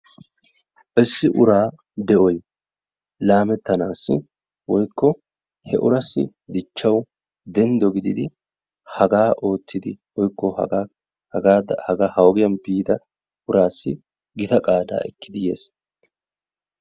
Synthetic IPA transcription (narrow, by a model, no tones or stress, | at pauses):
ʔɛsːɪʔʊɾaː | d̪ɛʔɔj | laːmɛt̪ːɐnaːsːɪ̰ | wɔjkːɔ | hɛʔʊɾɐsːɪ̰ | d̪ɪt͡ʃːɐw | d̪ɛnd̪ɔɡɪd̪ɪd̪ɪ | hɐɡaːʔo̞ːt̪ʰːɪd̪ɪwɔjkːɔ̰ | aːd̪ɐhɐɡahɐwɔɡɪjɐnbiːd̪ɐ | ʔʊɾʔaːsːɪ | ɡɪt̪ɐkʼaːd̪a̰ːʔɛkːɪd̪ɪje̞̰ːs